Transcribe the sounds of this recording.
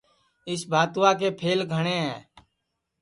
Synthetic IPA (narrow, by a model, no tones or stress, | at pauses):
ɪsbʱaːt̪ʋaːkeːpʰeːlɡʱəɽ̃eːɦɛ̃ː